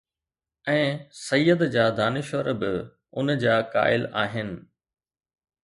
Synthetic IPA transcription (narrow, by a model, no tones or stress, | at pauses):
ɛ̃ːsɐjːəd̪d͡ʑaːd̪aːnɪʃʋəɾbɪ | ʊnd͡ʑaːka̰ːɪlaːɦɪnɪ̆